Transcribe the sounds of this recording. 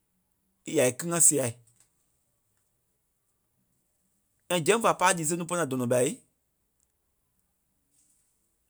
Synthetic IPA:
i˨ja˨i˨kɨ˦ŋã˦si˧a˨i˨ | ã˧˨d͡ʒɛ̃˦fa˨paː˦diː˨˦s̬ẽ˦nũ˦p̬ɔ˦ã˨dɔ̃˨nɔ̃˨ɓa˨˦i˦

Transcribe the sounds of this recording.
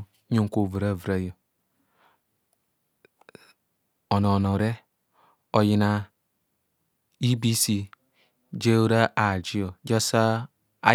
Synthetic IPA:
ɲo˦ŋ˨ko˨vu˨ɾa˨vɾa˦jo˨ | o˨no˨no˨ɾe˦ | o˨ji˦na˨ | i˦bi˦si˦ | d͡ʒe˦wɾa˦ʔa˨d͡ʒi˦o˨d͡ʒa˦sa˦ | a˨˦

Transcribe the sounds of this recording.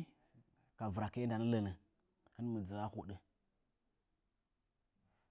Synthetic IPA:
ka˨və˨ɾa˨kə˦nda˨nə˦lə˨nə˨ | ə˦n˦mə˨d͡zə˨a˦xu˦ɗə˨

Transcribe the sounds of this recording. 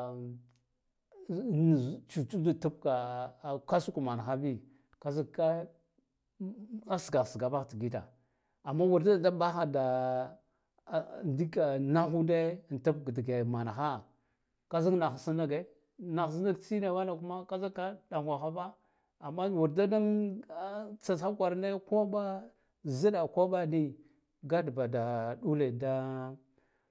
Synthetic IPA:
t͡ʃu˨t͡ʃu˦du˦tu˦pka˨ka˦su˦ku˨ma˨na˨xa˦bi˦ | ka˦za˦ka˦ | a˦sɡa˨si˨ɡa˨ba˦xti˨ɡi˦ta̰˨ | a˨mːa˦wu˨ɾda˦˨da˦ba˦xa˨da˨ | ndi˦ka˨na˦xu˦de˦˨nta˦pɡdi˨ɡe˨ma˨na˨xa˦ | ka˦za˦kna˨xsi˦na˦ɡe˦ | na˨xs̬i˦na˦ɡt͡si˦ne˨wa˦na˨ku˦ma˦ka˦za˦ka˦da˨ŋɡʷa˨xa˦ba˦ | a˨mːa˦wu˨ɾda˦da˦n˦ | t͡sa˨a˦kʷa˨ɾne˦ko˦ba˦ | zi˦da˨ko˦ɓa˦ni˦ | ɡa˦dba˨da˨ɗu˦le˨da˦

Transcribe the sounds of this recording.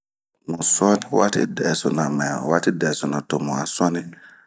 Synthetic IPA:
mu˨sɔ˦ni˦wa˦tḭ˦dɛ˨sɔ˨na˨mɛ˨wa˦ti˦dɛ˨sɔ˨na˨to˨mu˨a̰˨sɔ˦ni˦

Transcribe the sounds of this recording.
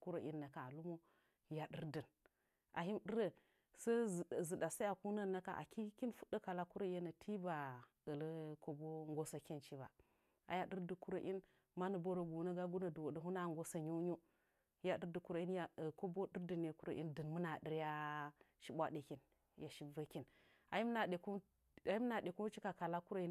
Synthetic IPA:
ku˦ɾo˨ʔḭ˦nːa˨ka˨a˨lu˦mo˦ | ja˨dɨ˦ɾdɨ˨n | ʔa̰˨ɦi˦mdə˦ɾə˦˨ | sə˦zzi˨ɗa˨sa˦a˨ku˦na˦nːa˦ka̰˨ʔa̰˨ki˦ki˦nfu̥˦ɗə˦ka˨la˦ku˦ɾo˦je˦na˨tʰi˦ba˨ | ə˨lə˦ko˦bo˦ŋɡo˦sa˦ki˦nt͡ʃi˦ba̰˨ | a̰˨ja˨ɗɨ˦ɾdə˨ku˦ɾo˨ʔi˦n | ma˦nə˨bo˦ɾo˨ɡu˨na˦ɡa˦ɡu˦na˨du˨wo˨də˨ɦu˦na˦˨ŋɡo˦sa˦ɲu˦ɲu˦ | ja˨ɗi˦ɾdi˨ku˦ɾo˨i˦nja˨ko˦bo˦di˦ɾdə˨ne˨ku˦ɾo̰˨ʔḭ˦ndɨ˨nmu˦na˨ɗi˦ɾja˦ʃi˦bʷa̰˦ɗe˨ki˨n | ja˨ʃi˦və˦ki˦n | a˨ji˦m˦na˨ɗe˨ku˦ | a˨ji˦m˦na˨de˨ku˦t͡ʃi˦ka˨ka˨la˦ku˦ɾa˨i˦n

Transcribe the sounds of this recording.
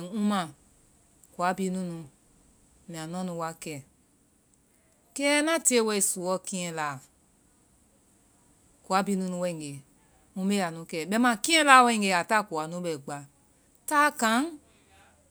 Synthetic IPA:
ũ˦mã˨ | ku˨a˨˦bi˧˦nũ˦nũ˧ | mĩ˨ã˨nɔ̃˦nũ˧˦wa˧˦kɛː˨ | kɛː˦nã˦ti˦e˦wɛ˧i˧˨su˨wɔ˦kĩ˦ɛ̃˧laː˨ | ku˨a˨˦biː˧˦nũ˦˧nũ˧wɛ̃˧ĩ˨ɡe˨ | mũ˧˦be˦a˨nũ˨˦kɛː˨ɓɛ˧˦mã˧˨kĩ˦ɛ̃˦laː˧˦wɛ̃˧ĩ˨ŋɡe˧˨a˨ta˦˨ku˨a˨nũ˨˦ɓɛ˨ɡ͡ba˨ | taː˦kã˨˦ŋ

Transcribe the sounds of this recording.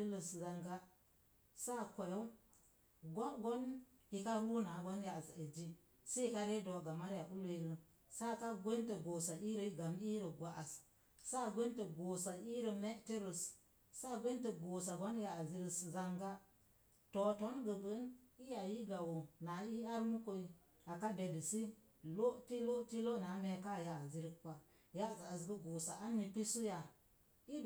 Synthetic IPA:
i˦lə˨sza˨ŋɡa˦ | sa˦˨kʷo˨jo˦w | ɡo˦ɡo˦nji˦ka˦bu˦na˨ɡo˦n˦ja˨za˨e˨d͡ʒi˦ | se˦i˦ka˦ɾe˦do˨ɡa˨ma˦ɾja˨ʔu˦lo˦i˦lə˦ | sa˦˨ka˦ɡʷe˦ntə˨ɡo˨sa˨ʔi˦ɾə˨˦ɡa˨mi˦ɾə˨ɡʷa˨ʔa˨s | sa˦˨ɡʷe˦tə˨ɡo˨sa˨i˦ɾə˨me˦ti˦ɾə˨s | sa˦˨ɡʷe˦ntə˨ɡo˨sa˨ɡo˦n˦ja˨a˨zi˦ɾə˦sza˦ŋɡa˦ | to˨to˦nɡə˨ɡə˨˦ni˦ja˨ji˦ɡa˨wo˨na˨˦i˦a˦ɾmu˦ko˦i˨ | a˨ka˦de˨di˨si˦ | lo˦ti˦lo˦ti˦lo˦˨na˨˦me˨˦ka˦˨ja˨zi˦ɾi˦kka˨ | ja˦˨ɡa˨a˨s̬ɡə˦ɡo˨sa̰˨ʔa˦ni˨pi˦su˦ja˨ | i˦

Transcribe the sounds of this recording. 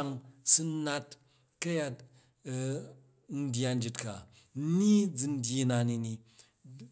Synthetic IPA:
ŋsu˦na˦t | kɐ˦ja˦t̚ | n̩˦dʲja˦n̩˦d͡ʒi˧tka̰˨˦ | ni˦d͡zɨ˨˧n̩˦dʲji˦na˨ni˨ni˨

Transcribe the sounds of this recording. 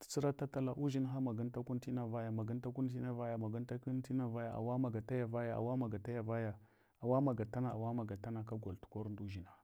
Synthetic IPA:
ti̥˨t͡si˦ɾa˦ta˦ta˦la˨˦ʔu˦ʒi˦nɦa˦ma˨ɡi˦n˦ta˦ku˦nti˦na˦va˦ja˨ma˨ɡi˦nta˦ku˦nt̬i˦na˦va˦ja˨ma˨ɡu˦nta˦ki˦n˦ti˦na˦va˦ja˨ʔa̰˨wa˦ma˨ɡa˨ta˦ja˨va˦ja˨a̰˨wa˦ma˨ɡa˨ta˦ja˨va˦ja˨ | a˨wa˦ma˨ɡa˨ta˦na˨a˨wa˦ma˨ɡa˨ta˦na˨ka˦ɡo˨ltu̥˨ko˦ɾndu˦ʒi˨na˦

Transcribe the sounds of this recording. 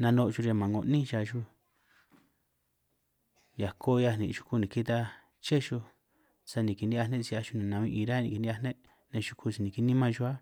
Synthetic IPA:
nã˧nõ˧ʔʒu˧ɾa˧mã˨ŋo˧˨nĩ˦ʃa˧ʒu˧ | ja˨kʰo˦˧ja˧nĩ˨ʃu̥˧ku˧nĩ˨ki˦t̪a˧ | t͡ʃe˦ʃu˧ | sa˧nĩ˨ki˧nĩ˦a˧nẽ˦si˧a˧ʃu˧nĩ˨nã˧ĩ˧ʔi˧ɾa˦nĩ˧˨ki˧nĩ˦a˧nẽ˦ | nẽ˧ʃu˧kʰu˧si˧nĩ˨ki˧˦nĩ˦mã˧ʒu˧a˦

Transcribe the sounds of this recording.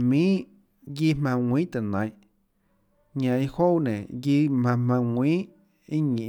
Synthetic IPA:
mĩː˦ | ji˧˦mã˧ŋʷĩː˦t̪e˨nã˨j̃ʔ | ɲã˨i˦ho˦wnḛ̃˨ji˧mã˧mã˧ŋʷĩː˦ | i˦ɲĩ˨

